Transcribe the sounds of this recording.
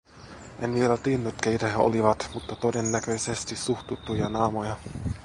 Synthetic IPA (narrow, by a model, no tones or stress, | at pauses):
ʔenʋielæt̪iːnːyt̪keit̪eo̰liʋɑt̪mut̪ːɑt̪odenːækø̞jsest̪isuxt̪ut̪ːujɑnɑːmojɑ